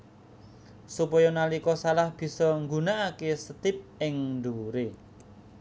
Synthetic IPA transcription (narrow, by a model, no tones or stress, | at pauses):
supɔjɔnalikɔsalahb̥i̤sɔŋɡunaʔakesət̪ɪp̚ɪŋɳɖ̪oɾe